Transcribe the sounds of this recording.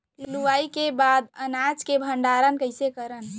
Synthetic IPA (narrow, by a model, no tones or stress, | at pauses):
lluʋaikebad̪ənad͡ʒkebʱəɳɖaɾənkəɪsekəɾən